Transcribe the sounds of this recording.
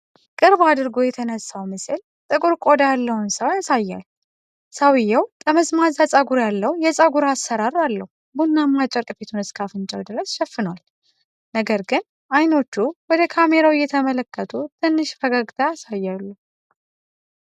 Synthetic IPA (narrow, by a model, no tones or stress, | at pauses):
kʼɨɾbad̪ɨɾɡo̞jɛt̪ʰənəsːawmɨsɨl | t̪ʼɨkʼuɾkʼo̞d̪jalːəhʊnsəwjasajːa̰l | sawɪjːɛwk̪ʼəməzmazasʼaɡuɾjalːəwjɛsʼaɡuɾasːəɾaɾalːəhubunːamːat͡ʃʼɛɾkʼɨfet̪ʰunɨskʰafɨnt͡ʃʼəwd̪ɨɾəsʃɛfːɨnwal | nəɡəɾɡɨn | ajno̞t͡ʃːuwɔd̪əkʰame̞ɾawɪjːɛt̪ʰəmələkʰːət̪ʰut̪ʰɨnːɨʃfəɡaɡt̪ʰaasajːalːəh